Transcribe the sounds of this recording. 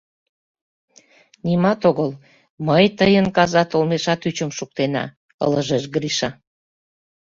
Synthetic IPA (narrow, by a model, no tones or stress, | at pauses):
nimɑt̪oɣəl | məjt̪əjənkɑzɑt̪olmeʃɑt̪yt͡ɕəmʃuk̚t̪enɑ̰ | ə̰ləʒeʃɡɾiʃɑ